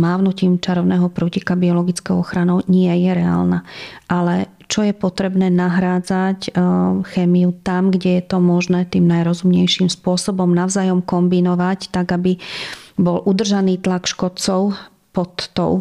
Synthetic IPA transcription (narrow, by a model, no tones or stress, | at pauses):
maːʋnuciːmt͡ʃaɾɔʊnɛːɦɔpɾucikabiɔlɔɡit͡skɔʊɔxɾanɔʊɲɪɛjɛɾɛa̰ːlnaʔalɛ | t͡ʃɔjɛpɔt̪ɾɛbnɛːnaɦɾaːd͡zacxɛːmijut̪amɡɟɛjɛt̪ɔmɔʒnɛːt̪iːmnajɾɔzumɲɛjʃimspʊɔsɔbɔmnaʊzaːjɔmkɔmbinɔʋact̪aɡabibɔlʔud̪r̩ʒaniːt̪lakʃkɔt͡sɔʊ | pɔt̪ːɔ̰ʊ